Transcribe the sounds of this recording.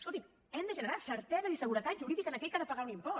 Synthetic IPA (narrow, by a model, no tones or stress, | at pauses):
skolˠt̪im | ɛmd̪əʒənəɾasəɾt̪ɛzəisəɣuɾət̪at̪ʒuɾiðikənəkɛʎkaðəpəɣaunimpɔ